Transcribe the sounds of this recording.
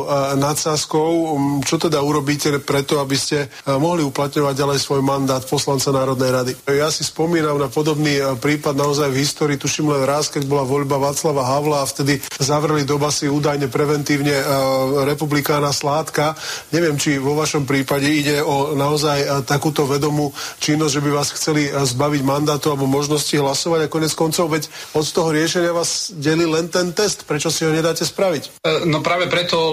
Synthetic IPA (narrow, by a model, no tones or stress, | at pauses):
nat̪saskɔʊt͡ʃɔt̪ɛd̪auɾɔbiːcɛpɾɛt̪ɔabiscɛ | mɔɦliuplat̪ɲɔʋaɟɟalɛjsʋɔjmand̪aːt̪pɔslant͡sanaːɾɔd̪nɛjɾad̪ijasispɔmiːnamnapɔd̪ɔbniːpɾiːpad̪naɔzajvɦist̪ɔːɾiːt̪uʃimlɛnɾaskɛɟbɔlaʋɔʎbaʋaːt͡slaʋaɦaʊlaːft̪ɛd̪izaʋɾɛlid̪ɔbasiuːd̪ajɲɛpɾɛʋɛnt̪iːʊɲɛɾɛpublikaːnaslaːt̪kaɲɛʋɪɛmt͡ʃiʋɔʋaʃɔmpɾiːpaɟɛiɟɛɔnaɔzajt̪akuːt̪ɔʋɛd̪ɔmuːt͡ʃinːɔzɟʒɛbiʋaːsxt͡sɛlizbaʋiɟmand̪aːt̪ualɛbɔmɔʒnɔsciɦlasɔʋaɲakɔɲɛt͡skɔnt͡sɔʊʋɛcɔt̪t̪ɔɦɔɾɪɛʃɛɲɪaʋaːzɟɛlilɛnt̪ɛnt̪ɛst̪pɾɛt͡ʃɔsiɦɔɲɛd̪aːcɛspɾaʋicnɔpɾaːʋɛpɾɛt̪ɔ